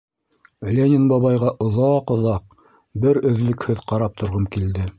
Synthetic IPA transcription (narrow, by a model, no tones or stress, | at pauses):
lʲenʲɪnbɑβɑjʁɑʔŏðɑqŏðɑq̚ | bɘɾɵ̆ðlɵ̆khɵðqɑɾɑp̚t̪ŏɾʁɤmkild̪ɘ